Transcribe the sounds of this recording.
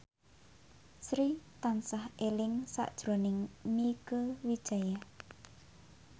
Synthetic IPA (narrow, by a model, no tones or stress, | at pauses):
sɾit̪ansahelɪŋsa̰ʔd̥ʒ̥ɾonɪŋnikəwid̥ʒ̥a̤ja